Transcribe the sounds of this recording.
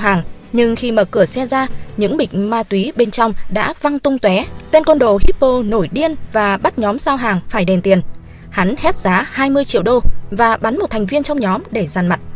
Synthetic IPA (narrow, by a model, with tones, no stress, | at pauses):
ɦaː˨˩ŋ | ɲɨ˧ŋxi˧məː˨˩kɨ˧˩əsɛ˧zaː˧ɲɨ̰˧˥ŋɓï˨˩k̟̚maː˧t̪wi˨˦ɓe˧nt͡ɕɔ˧wŋ͡mɗa̰ː˧˥va˧ŋt̪ʊ˧ŋ͡mt̪wɛ˨˦t̪e˧nkə˧nɗo˨˩ɦi˦˥p̚po˧no˧˩jɗi˧ənvaː˨˩ɓa˦˥t̚ɲɔ˨˦mzaː˧wɦaː˨˩ŋfaː˧˩jɗɛ˨˩nt̪i˨˩ən | ha˨˦nhɛ˦˥t̚z̥aː˨˦haː˧jmɨ˧əjt͡ɕḭ˧˨əwɗo˧vaː˨˩ɓa˨˦nmo˨˩t̚t̪ʰɛ˨˩ŋ̟vi˧ənt͡ɕɔ˧wŋ͡mɲɔ˨˦mɗe˧˩zaː˨˩nma˨˩t̚